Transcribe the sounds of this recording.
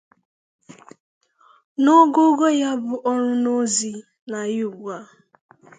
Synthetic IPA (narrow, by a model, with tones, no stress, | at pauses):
nɔ˦ɡo˦ɡo˦ja˦bʊ˨ʔɔ˦ɾʊ˦no˦zi˨ | na˨ju˦˨ɡ͡bu˨a˦